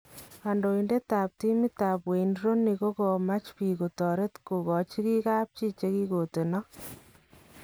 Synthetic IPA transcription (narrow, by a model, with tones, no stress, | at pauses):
a˨ndo˨i˨nde˦taː˨p̚ti˦mi˦taː˨pwe˨nɾo˦nːi˨ko˦ko˨ma˦t͡ʃpi˨ko˨tɔ˨ɾe˦tku˨kɔ˨t͡ʃi˦ki˦kaː˦p̚t͡ʃi˦t͡ʃe˦ki˦ko˨te˨nɔ˦